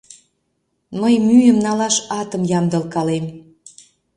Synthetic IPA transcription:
məjmyjəmnɑlɑʃɑt̪əmjɑmd̪əlkɑlem

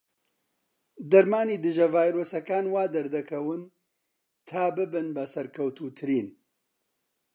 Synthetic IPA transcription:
d̪ɐɾmaːniːd̪ɨʒɐvaːjɾoːsɐkaːnwaːd̪ɐɾd̪ɐkʰɐwɨn | t̪ʰaːbɨbɨnbɐsɐɾkʰɐwt̪uːt̪ʰɨɾiːn

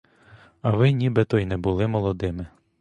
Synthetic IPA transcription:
ɐʋɪnʲibɛt̪ɔjnɛbʊlˠɪmɔlˠɔd̪ɪmɪ

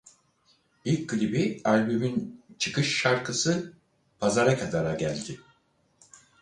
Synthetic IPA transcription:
ilʲɡɯlʲibialʲbymynt͡ʃʰɯkʰɯʃːaɾkɯsɯ | pʰazaɾakʰad̪aɾaɟælʲd̪ɪ

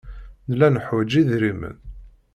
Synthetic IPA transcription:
nlænəħwæd͡ʒiðɾimə̰n

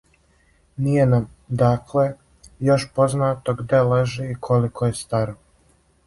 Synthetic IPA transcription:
nijenam | d̪aːkʰle | jo̞ʃpo̞znaːt̪oɡd̪eleʒiikʰo̞likʰojest̪aɾo

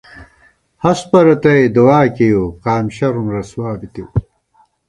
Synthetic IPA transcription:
hɐspɐɾɐt̪ɐed̪uwaːkejuqaːmɕɐɾumɾɐswaːbit̪iw

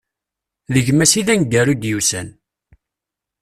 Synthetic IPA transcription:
ðəʝmæsiðænɡːæɾud̪jusæn

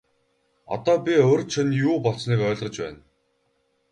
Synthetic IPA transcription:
ɔ̰t̪ɔːpʲiɵɾʲt͡ɕʰănjuːpɔɮsniːkœːɮʁə̆t͡ɕpæ̰ːn

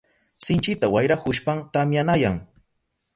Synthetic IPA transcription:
sɪnt͡ʃɪt̪awajɾakʊʃpamt̪amjanajaŋ

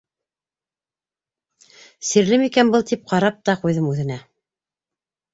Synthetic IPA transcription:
siɾlɘmikænbɤlˠt̪ʰip̚qɑɾɑp̚t̪ɑqujðɤmʉðɘ̆næ

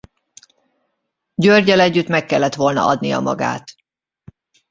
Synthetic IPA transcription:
ɟørɟɛlɛɟːyt̪mɛkːɛlːɛt̪ʋo̞lnɒ̰ʔɒd̪nijɒ̰mɒ̰ɡa̰ːt̪

